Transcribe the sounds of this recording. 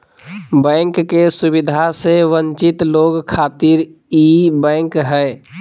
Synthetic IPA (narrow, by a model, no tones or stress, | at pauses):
bɛŋkːesubid̪ʱaseʋənt͡ʃɪt̪loːɡkʰaːt̪iɾibɛ̃ːŋkɦɛɪ